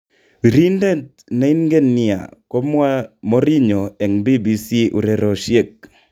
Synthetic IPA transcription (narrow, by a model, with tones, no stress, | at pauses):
wi˨ɾi˦nde˦t | na˦i˦nŋɡe˦ni˦˨a̰˨ko˦mwa˦mɔ˦ɾi˦ɲɔ˨ɛ˨ŋbi˦bi˨si˦ʔṵ˨ɾe˨ɾɔ˨ʃje˦˨k̚